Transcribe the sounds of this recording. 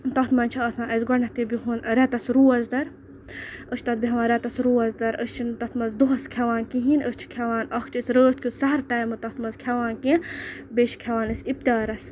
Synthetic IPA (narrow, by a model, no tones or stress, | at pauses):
t̪ɐt̪mɐnʲt͡ʃʰiɐːsãːʔɐsɡʷɐɳɐt̪ibiɦunɾɛt̪ɐsɾuːɐzd̪ɐɾ | ət͡ʃʰt̪ɐt̪̚biɦɐʋaːnɾʲɛt̪ɐsɾuːɐzd̪ɐɾəst͡ʃʰint̪ɐt̪mɐzd̪uɦɐskʰɛʋaːnkĩɦinəst͡ʃʰi̥kʰɛʋaːnɐkʰt͡ʃisɾəːt̪̚ʰkʰisɐɦɐɾʈaːjmɨt̪ɐht̪mɐzkʲʰɛʋaːnkĩbeːʃʰi̥kʰɛʋaːnɐsip̚t̪ʲaːɾɐs